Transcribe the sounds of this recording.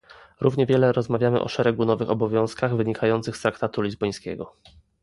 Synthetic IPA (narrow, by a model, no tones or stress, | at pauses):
ɾuvɲɛvʲjɛlɛɾɔzmavʲjamɘ̰ʔɔ̰ʂɛɾɛɡunɔvɘxɔbɔvʲjɔ̃w̃skaɣvɘɲikʰajɔnt̪sɘxst̪ɾakt̪at̪ulʲizbɔj̃skʲɛ̰ɡɔ